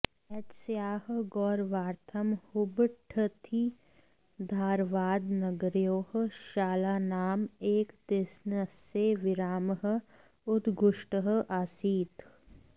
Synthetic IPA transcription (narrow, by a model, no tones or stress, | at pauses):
ɐt̪sjaːɦɡɔːɾʋaːɾt̪ʰɐmhʊbʈʰət̪ʰi | d̪ʱaːɾʋaːd̪nɐɡɾjoːh̆ʃaːlaːnaːmeːkt̪esnəseːʋɪɾaːmɦə̆ | ʊd̪ɡʱʊʃʈəɦ̆ʔasiːt̪